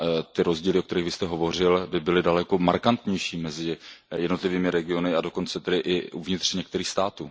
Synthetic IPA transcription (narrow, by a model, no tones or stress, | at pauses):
t̪ɪɾo̞zɟiːlɪʔokt̪ɛɾiːɣvɪst̪ɛɦovo̞r̝ɪlbɪbɪlɪdalɛko̞maɾkant̪ɲɛjʃiːmɛzɪjɛdno̞t̪lɪviːmɪɾɛɡɪo̞nɪado̞ko̞nt͡sɛt̪ɛdɪʔɪʔuvɲɪt̪r̥ɲɛk̚t̪ɛɾiːxst̪aːt̪uː